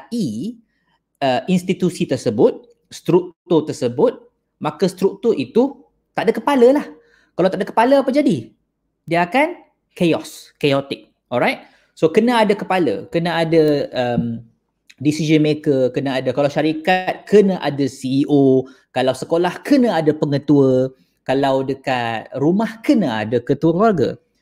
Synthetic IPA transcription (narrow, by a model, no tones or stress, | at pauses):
i | əinst̪it̪usit̪ərsəbʊt̪̚ | st̪ɾuk̚t̪ʊrt̪ərsəbʊt̪̚ | makəst̪ɾuk̚t̪ʊrʔit̪u | t̪aʔdakəpaləlah | kalawt̪aʔdakə̥paləapəd͡ʒadi | diəakan | keɔskeɔt̪ɪk̚ | ɔlɾajt̪̚ | sokənãadakəpalə̰kənaadəəm | disid͡ʒənmekəkənaadakalawʃaɾikat̪̚kənəʔa̰dəsiːʔokalawsəkolahkənəadəpəŋət̪uə | kalawdəkat̪̚rumahkənəa̰dakət̪uəkluarɡə̰